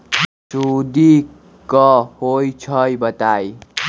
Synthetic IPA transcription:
sud̪i | kʌhojt͡sʰʌjbʌt̪aj

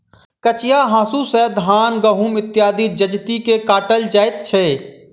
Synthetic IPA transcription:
kət͡ʃjaɦãːsusɛd̪ʱɦaːnɡəɦumɪt̪jaːd̪id͡ʒəd͡ʒt̪ikekaːʈəld͡ʒaːɪt̪t͡ʃʰeː

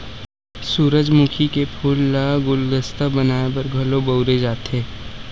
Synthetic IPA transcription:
suːɾəd͡ʒmukʰikepʰulːaɡʊlɡəst̪əbɐnaːebɐɾɡʱɐlobɐʊɾed͡ʒaːt̪eː

